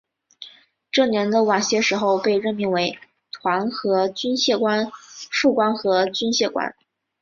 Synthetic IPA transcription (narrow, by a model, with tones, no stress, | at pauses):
ʈ͡ʂɤ˥˩njɛ˧˥nd̪ə˧wa˨˩nɕjɛ˥˩ʂɻ̩˧˥xo˥˧ʊpe˥˧ɪɻə˥˩nmi˥˩ŋwe˧˥ɪ | t̪ʰwa˧˥nxɤ˧˥t͡ɕy˥nɕjɛ˥˩kwa˥nʂu˥˩kwa˥nxɤ˧˥t͡ɕy˥nɕjɛ˥˩kwa̰˥n